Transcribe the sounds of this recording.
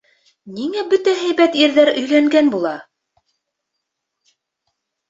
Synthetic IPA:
niŋæbɵt̪æɦæjbæt̪iɾðæɾɵ̆jlæŋɡænbulˠɑ

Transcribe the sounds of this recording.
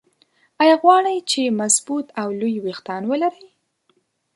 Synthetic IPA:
ɑjɑɣwɑɽəjt͡ʃemasbut̪awlujwext̪ɑnwəlaɾəj

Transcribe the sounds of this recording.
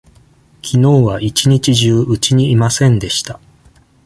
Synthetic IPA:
kʲʰino̞ːβaʔit͡ɕiɲ̟it͡ɕiʑɨːʔɯt͡ɕiɲ̟iːmasẽ̞nd̪e̞ɕi̥t̪a

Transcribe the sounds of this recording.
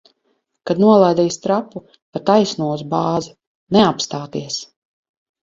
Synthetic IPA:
kad̪nuɔlˠajd̪ɛjst̪ɾapu | kat̪ajsnuɔuzbaːzi | nɛapst̪aːt̪iɛs

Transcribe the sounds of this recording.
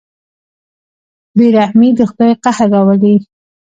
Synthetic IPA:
biɾahmid̪əxʊd̪ajqahaɾːawəli

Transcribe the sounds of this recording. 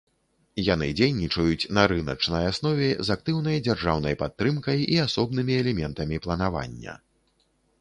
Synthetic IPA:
jan̪ɨd͡zʲejnʲit͡ʂɐjut͡sʲnɐɾɨnɐt͡ʂnɐjasnɔvʲɛzak̚t̪ɨwnɐjd͡zʲarʐawnɐjpat̪ːɾɨmkɐjiasɔb̚nɨmʲiɛlʲɛmʲɛnt̪ɐmʲiplˠɐnava̰nʲːɐ̰

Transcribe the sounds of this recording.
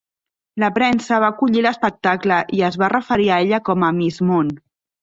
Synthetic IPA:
ləpɾɛnsəβ̞akuʎiləspək̚t̪akləʔiəzβarəfəɾiəeʎəkɔməmizmon

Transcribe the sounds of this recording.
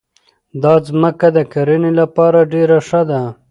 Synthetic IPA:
d̪ɑzməkad̪əkaɾɪnilapɑːɾaɖeɾaʂad̪a

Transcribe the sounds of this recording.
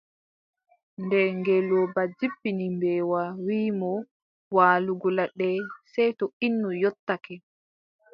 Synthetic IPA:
ndɛŋɡɛlɔbad͡ʒibːinimbɛːwawiːmɔ | waːluɡɔlaɗɛsɛjtɔinːɔjɔtːakɛ

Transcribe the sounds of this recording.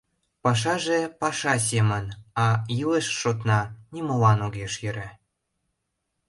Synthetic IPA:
pɑʃ̬ɑʒepɑʃɑs̬emənɑjileʃːot̪nɑnʲimolɑnoɣeʃjøɾæ

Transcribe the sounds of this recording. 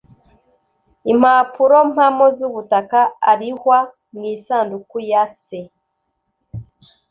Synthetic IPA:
im̥apuɾo̞m̥hamozuβutakaaɾihwa | mɡiːsaːndukujase

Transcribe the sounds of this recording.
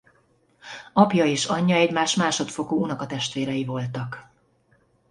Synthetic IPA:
ɒpjɒeːʃɒɲːɒɛɟmaːʃmaːʃo̞t̪fo̞koːunɒkɒt̪ɛʃt̪ʋeːɾɛjivo̞lt̪ɒk

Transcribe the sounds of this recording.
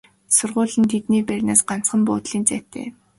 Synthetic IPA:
sʊrʁʊːɮə̆nt̪ʰet̪niːpærʲnaːsɢan̥t͡sχə̆mpʊːt̪ɮiːnt͡sæːt̪ḛː

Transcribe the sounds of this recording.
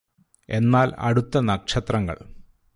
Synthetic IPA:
e̞nːaːlɐ̰ɽut̪ːɐnɐkʂɐt̪rɐŋːɐ̰ɭ

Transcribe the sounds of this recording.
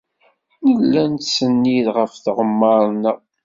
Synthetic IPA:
nəlːænt̪sənːiðʁəfθəʁəmːɑɾˤnə

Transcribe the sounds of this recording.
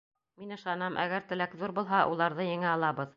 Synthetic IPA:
minɤ̆ʃɑnɑmʔæ̰ɡæɾt̪ɘ̆lækðuɾbulˠɦɑʔṵlˠɑɾðɤjɘ̆ŋɘɑlˠɑβɤð

